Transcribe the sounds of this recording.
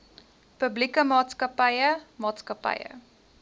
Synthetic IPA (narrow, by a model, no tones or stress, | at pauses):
pəblikəmɑːtskəpɐjəmɑːtskɐpɐ̰jə̰